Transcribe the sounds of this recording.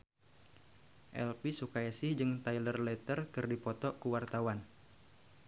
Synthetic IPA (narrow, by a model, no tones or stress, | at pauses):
ʔɛ̰lpisukajisɪhd͡ʒɨŋt̪ailərlɛt̪ərkɨrdipɔt̪ɔkuwart̪awan